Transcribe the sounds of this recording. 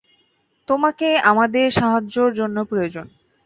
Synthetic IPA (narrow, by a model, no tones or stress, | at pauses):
t̪omakeamad̪eɾʃaɦad͡ʑoɾd͡ʑonːopɾojod͡ʑon